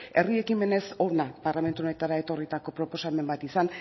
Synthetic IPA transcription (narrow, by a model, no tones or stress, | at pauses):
e̞rie̞kimbene̞so̞ɾnapaɾlame̞nt̪uo̞ne̞t̪aɾae̞t̪o̞rit̪ako̞pɾo̞po̞same̞mbat̪isan